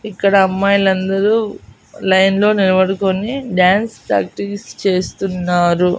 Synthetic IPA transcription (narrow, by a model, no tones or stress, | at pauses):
ikːɐɽɐːmːaːjlɐnd̪ɐɾu | lɐjnlo̞ːniɾɐʋɐɽukoniɖaːnspɾa̰ːk̚ʈikst͡ʃe̞ːst̪unːaːɾu